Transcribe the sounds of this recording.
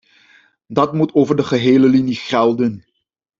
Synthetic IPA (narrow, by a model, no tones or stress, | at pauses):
dɑtmutʰoːvəɹdəχəɦeːləliniχɛlˠdən